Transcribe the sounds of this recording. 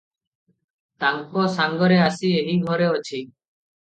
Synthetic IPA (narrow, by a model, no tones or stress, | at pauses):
t̪aŋkosaŋɡɔɾeasieɦiɡʱɔɾeot͡ʃʰi